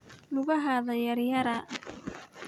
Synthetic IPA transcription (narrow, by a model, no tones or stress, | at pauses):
nʊɣɐɦaðɐjɐɾjɐɾɐ